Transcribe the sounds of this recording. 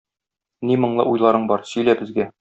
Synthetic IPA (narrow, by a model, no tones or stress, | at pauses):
nimɤ̆ɴlˠɤ̰ʔujlˠɑɾɤɴbɒɾsɵ̆jlæbɘ̆zɡæ